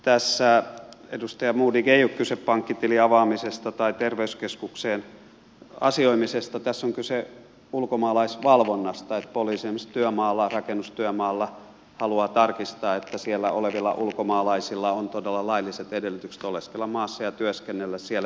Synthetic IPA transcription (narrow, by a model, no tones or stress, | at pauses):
t̪æsːæedust̪ɑjɑmuːdiɡeiukkyseppɑŋkːit̪iliɑʋɑːmisest̪ɑt̪ɑit̪erʋeyskeskukseːn | ɑ̰sioimisest̪ɑt̪æsːoŋkyse | ulkomɑːlɑisʋɑlʋonːɑst̪ɑet̪poliːsiemist̪yømɑːlːɑrɑkenːust̪yømɑːlːɑ | hɑluɑːt̪ɑrkist̪ɑːet̪ːæsielːæoleʋilːɑ̰ʔulkomɑːlɑisilːɑont̪odelːɑlɑilːˑiset̪edelːyt̪ykse̥t̪oleskelːɑmɑːsːɑjɑt̪yøskenːelːæssielːæ